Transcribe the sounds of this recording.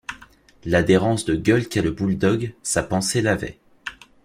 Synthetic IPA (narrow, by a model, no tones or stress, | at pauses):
lad̪eʁɑ̃sd̪əɡʲœlkʲɛləbuld̪ɔɡsapɑ̃selavɛ̰